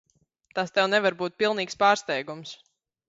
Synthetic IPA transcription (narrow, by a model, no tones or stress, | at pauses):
t̪ast̪ɛwnɛvaɾbuːt̪̚pilˠniːkspaːɾst̪ɛjɡums